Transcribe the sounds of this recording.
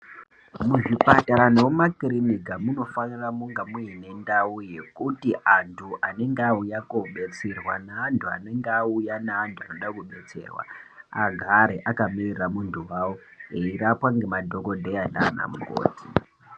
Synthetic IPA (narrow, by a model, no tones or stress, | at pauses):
muʐipataɾanowumakirinikamuno̞faniramuŋɡamuine̞ndauje̞kutiʔantʰuʔane̞ŋɡeaujakoɓe̞t͡serwanaːntʰua̰ne̞ŋɡeaujanaːntʰuanoɗakuɓe̞t͡se̞̰ːrwa̰aɡʱaɾeʔakamiriramuntʰuwawoeirapwaŋɡe̞madʱo̞kodʱejana̰ːna̰muɡʱo̰ːti